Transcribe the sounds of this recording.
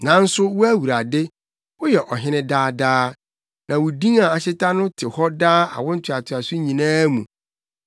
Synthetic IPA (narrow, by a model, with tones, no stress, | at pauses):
nã˨˦n̩˦sʊ˦wʊ˦æ˦wu˨ɾa˨dɪ˦ | wʊ˦jɛ˨ʔɔ˨ɦɪ̃˦nɪ̃˦daː˦daː˦ | nã˨wʊ˨dĩ˦ŋa˨a˨ɕɪ˦tʰã˦nʊ̃˦tʰɪ˨hɔ˦daː˦a̰˨wʊ̃˦n̩˦tʰʊ˨a˨tʰɪ˨a˨sʊ˦ɲĩ˨nãː˦mṵ̃˨